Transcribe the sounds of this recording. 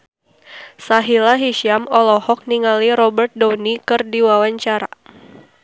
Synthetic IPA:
saɦilaɦiʃiamɔlɔhɔk̚niŋaliɾɔbərt̪̚dɔwnikɨrdiwawaɲt͡ʃaɾa

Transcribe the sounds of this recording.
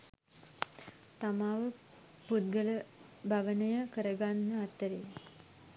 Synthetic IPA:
t̪amaʋə | pud̪̚ɡələ | bʱaʋənəjəkəɾəɡanːəat̪ːəɾe

